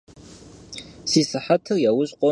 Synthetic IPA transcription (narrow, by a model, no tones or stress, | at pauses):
siːsaħatʰɨrjawʊɕʼqʷʼo